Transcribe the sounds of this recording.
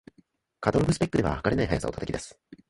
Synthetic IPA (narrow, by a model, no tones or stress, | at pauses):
kat̪oɾobɯsɨ̥pekːɯd̪e̞βa̰hakaɾe̞naiɦajasa̰o̞t̪at̪akʲid̪esɨ̥